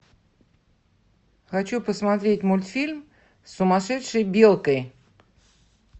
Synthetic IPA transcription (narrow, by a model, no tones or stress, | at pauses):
xat͡ɕupəsmɑt̪ɾʲetʲmulʲt̪fʲilʲm | sumɑʃɛt̪ʂəbʲelˠkəj